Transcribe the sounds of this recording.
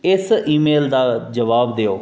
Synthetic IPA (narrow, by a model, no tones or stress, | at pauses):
ɪsiːmeːld̪aːd͡ʒəʋaːbd̪eːoː